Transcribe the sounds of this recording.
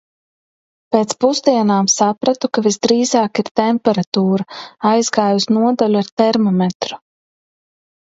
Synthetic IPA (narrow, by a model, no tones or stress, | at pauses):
peːt̪spuzd̪iɛnaːmsapɾat̪ukavizd̪ɾiːzaːkiɾt̪ɛmpɛɾat̪uːɾaajzɡaːjusnuɔd̪alʲuaɾt̪ɛɾmɔmɛt̪ɾu̥